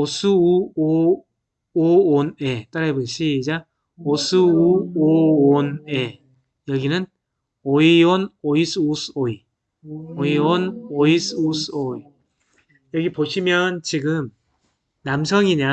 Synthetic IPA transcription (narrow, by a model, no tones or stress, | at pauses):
osʰɯuo | oonet͈aɾaeboɭɕ͈ʰiːd͡ʑa | osʰɯuoone | jʌɡinɯn | oiwonois͈ʰɯosʰɯoi | oiwonoisʰɯosʰɯoi | jʌɡipoɕʰimjʌnt͡ɕiɡɯm | namsʰʌŋiɲa